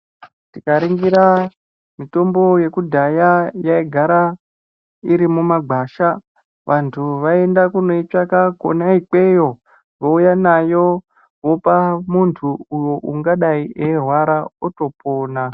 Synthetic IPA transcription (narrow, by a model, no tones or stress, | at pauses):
tikaɾiŋɡiɾa | mito̞mbo̞je̞kudʱajajaiɡʱaɾa | iɾimumaɡʱaːʃa | ʋʔantʰuʋae̞ndakuno̞it͡ʃakako̰naik͡pe̞jo̞ | ʋoujanajo̞ | ʋo̞pamuntʰuːjo̞ʔuŋɡaɗaiʔeɦwaɾaoto̞pʰoːna